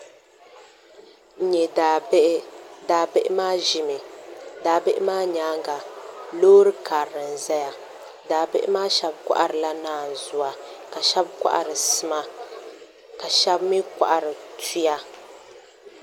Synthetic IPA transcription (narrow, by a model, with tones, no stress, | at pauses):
ɲɛ˨da˨˦ʔdaː˨be˦ʔɪ˦maː˦ʒi˨mɨ˨daː˨be˦ʔɪ˦maː˦ɲaː˨˦ŋɡa˨loː˦ɾɨ˦kaː˨ɾɨ˨n̩˨za˦ja˦ | daː˨bɪ˦ʔɪ̰˦maː˦ʃɛ˦bkʷa̰˦ʔa˨ɾɨ˨la˦naː˨n̩˨zʊ˨a˨ka˨ʃɛ˦bkʷa̰˦ʔa̰˨ɾɨ˨sɨ˨ma˦ | ka˨ʃɛ˦bmi˦kʷa̰˨ʔa˨ɾɨ˨tu˦ja˦